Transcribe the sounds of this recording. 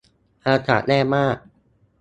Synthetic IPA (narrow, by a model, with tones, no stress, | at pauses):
ʔaː˧t̪ʰa̰ː˩˦nɛː˥˩maː˥˩k̚